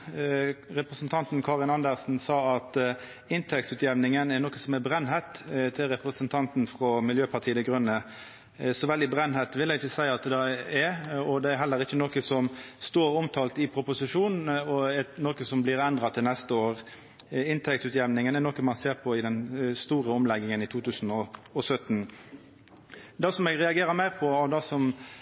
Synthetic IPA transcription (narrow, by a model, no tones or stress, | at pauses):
ʁɛpɾəsənt̪ʰɑnt̪nkʰɑːʁɪnɑnd̪əʁsn̩sɑːɑt̪ | ɪnt̪ʰɛk̚t̪ʉːt̪jɛʋnɪŋənɛɾnoːkəsɔmɛɾbɾɛnːɦɛt̪t̪ʰɪlɾɛpʁəsənt̪ʰɑnt̪n̩fʁɔmɪljøːpʰɑt̪ʰiːəd̪ɛɡʁʉnːə | sɔʋɛld̪ɪbɾɛnːhɛt̪ʋɪlːɛɡɪçəsæɪəɑt̪̚d̪d̪ɑɛɔd̪ɛæɾɦɛlːəʁɪçːənoːkəsɔmst̪oːɾɔmt̪ʰɑːlt̪ɪpʰɾʊpʊsɪʂuːnn̩ɔɛnoːkəsɔmblɪɾɛnd̪ʁɑt̪ʰɪlnɛst̪əoːʁ | ɪnt̪ʰɛk̚t̪ʉːt̪jɛʋnɪŋənɛnɔːkəmɑnseːʁpʰɔɪd̪ɛnst̪uːɾəɔmlɛɡːɪŋənɪt̪ʰuːt̪ʰʉːsn̩ɔɔsœt̪n̩ | d̪ɑsɔmɛɡʁɛɑɡeːɾəɾmæɪʁpʰɔɑʋd̪ɑsɔm